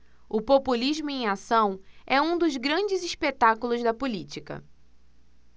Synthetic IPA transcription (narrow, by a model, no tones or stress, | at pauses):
ʊpopuliʒmʊẽj̃asɐ̃w̃ɛũd̪ʊzɡɾɐ̃d͡ʒɪziʃpet̪akulʊzd̪ɐpulit͡ʃikɐ̰